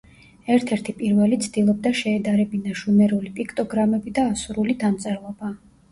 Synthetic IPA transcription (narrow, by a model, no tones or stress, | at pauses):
ɛɾt̪ʰɛɾt̪ʰipʼiɾvɛlit̪sʰd̪ilˠɔb̚d̪aʃɛːd̪aɾɛbinaʃumɛɾulipʼikʰt̪ʼɔɡɾamɛbid̪aːsuɾulid̪amt̪sʼɛɾlˠɔba